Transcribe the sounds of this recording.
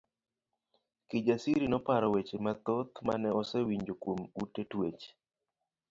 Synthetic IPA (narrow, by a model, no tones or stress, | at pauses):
kɪd͡ʒasiɾinɔpaɾɔwet͡ʃemat̪ɔt̪ma̰nɛɔsɛwiɲd͡ʒokwomutːetwet͡ʃ